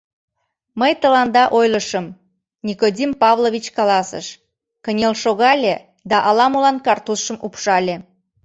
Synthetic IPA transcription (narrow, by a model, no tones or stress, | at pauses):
məjt̪əlɑnd̪ɑʔojləʃəm | nʲikodʲimpɑβlˠovʲit͡ɕkɑlɑsə̰ʃ | kənʲelʃoɣɑlʲe | d̪ɑʔɑlɑmulɑnkɑrt̪usʃəmʔupʃɑlʲe